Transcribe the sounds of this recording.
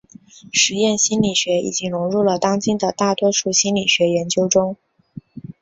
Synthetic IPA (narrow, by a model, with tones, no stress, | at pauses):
ʂɻ̩˧˥jɛ˥˩nɕi˥nli˨˩ɕɥɛ˧˥ḭ˨˩t͡ɕi˥ŋɻʊ˧˥ŋɻu˥˩lə˩t̪ɑ˥ŋt͡ɕi˥nd̪ə˨t̪a˥˩t̪wɔ˥ʂu˥˩ɕi˥nli˨˩ɕɥɛ˧˥jɛ˧˥nt͡ɕjo˥ʊʈ͡ʂʊ˥ŋ